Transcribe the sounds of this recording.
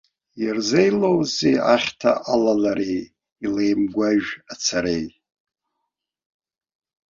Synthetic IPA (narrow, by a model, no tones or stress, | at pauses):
jirzejlowzejaχʲtʰa̰ʔalalaɾej | ilejmɡʷaʒᶣat͡sʰaɾej